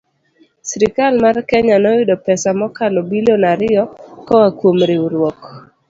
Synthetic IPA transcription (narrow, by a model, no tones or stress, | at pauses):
sɾɪkalmarkɛɲanɔɪdɔpɛsamɔkalɔbilonaɾɪɔkɔwakwomɾeuɾwɔk